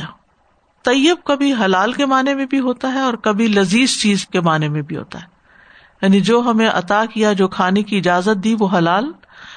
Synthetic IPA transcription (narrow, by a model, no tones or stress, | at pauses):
t̪ɐjːəb̚kɐbʱiɦɐlaːlkemaːnemẽbʱiɦoːt̪aɦɛɔːɾkɐbʱilɐziːzt͡ʃiːzkemaːnemẽbʱiɦo̰ːt̪a̰ɦɛː | jaːnid͡ʒoːɦɐmẽʔɐ̰t̪akijad͡ʒoːkʰaːnekiɪd͡ʒaːzət̪̚d̪iːʋoɦɐlaːl